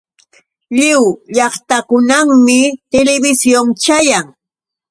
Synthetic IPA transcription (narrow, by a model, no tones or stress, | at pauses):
ʎɪwʎɑχt̪akʊnaŋmɪt̪elɪbɪsjoŋt͡ʃajaŋ